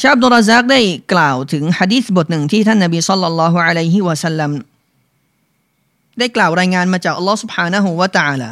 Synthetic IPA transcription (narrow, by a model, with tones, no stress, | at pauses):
t͡ɕaː˧˥ʔa˧d̪u˧rːɑ˧zaː˦˥k̚daː˥˩jklaː˨˩wt̪ʰɯ˩˦ŋħa˧diː˦˥˩θbo˨˩t̪̚nɯ˨˩ŋt̪ʰiː˥˩t̪ʰa˥˩nːa˨˩biː˧sɑ˥lːɑ˧lːɑː˦˥ɦu˧ʕa˧la˧˥jɦi˧˦˩wa˧sa˧˥lːa˧m | daː˥˩jklaː˨˩wɾaː˧jŋaː˧nmaː˧t͡ɕaː˨˩k̚ʔa˧lːɔː˦˥su˨˩b̚ħaː˧na˦˧ɦu˧˩wa˧t̪a˧ʕaː˧la̰ː˧˩